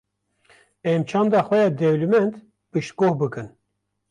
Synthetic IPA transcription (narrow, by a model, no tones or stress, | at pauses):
ɛmt͡ʃʰɑːnd̪ɑxʷwɛjɑːd̪ɛwlɨmɛnt̪ | bɨʃt̪̚ɡoːhbɨkɨn